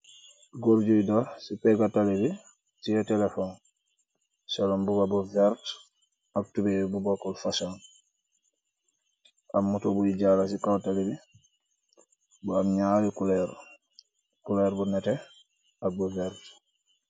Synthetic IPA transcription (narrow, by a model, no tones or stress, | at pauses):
ɡoɾɟojdɔɾsipɛɡatalibi | tijɛtɛlefɔn | salɔmbubabuvɛɾt | ak̚tubebubɔkːɔlfasan | amːutobuiɟalasikawtalibi | bamɲalikulɛɾ | kulɛɾbunɛtɛ | abuvɛɾt